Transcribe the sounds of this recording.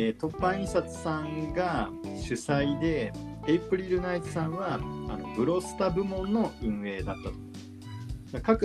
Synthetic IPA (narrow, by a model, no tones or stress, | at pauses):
et̪o̞pːãɰ̃ĩsat͡sɨ̥sãŋɡa | ɕɨsaid̪e̞eipɯ̟ɾʲiɾɯ̟naizɨsãɰ̃βa̰ːno̞bɯ̟ɾo̞sɨ̥t̪abɯ̟mõ̞nːo̞ɯ̟̃ɰ̃e̞ːd̪at̪ːat̪o̥ | ɡakakɯ